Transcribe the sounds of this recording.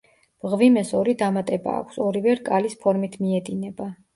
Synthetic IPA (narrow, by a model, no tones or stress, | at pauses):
b̥ʁvimɛsɔɾid̪amat̪ʼɛba̰ːkʷʰsɔɾivɛɾkʼalispʰɔɾmit̪ʰmiɛd̪inɛba